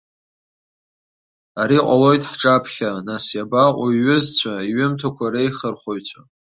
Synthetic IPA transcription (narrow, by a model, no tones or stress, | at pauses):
aɾiqʷʼalo̞jtʼħʈ͡ʂʼapʰχʲanasjabaqʷʼaɥʊzt͡sʷʰaiɥɪmtʰakʷʰaɾejχərχojt͡ɕʷʰa